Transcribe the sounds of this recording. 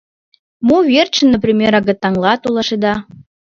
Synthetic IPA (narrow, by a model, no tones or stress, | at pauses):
muβert͡ɕə̆nːəp̬ɾʲimʲeɾɑɣət̪ːɑŋlɑt̪ulˠɑʃed̪ɑ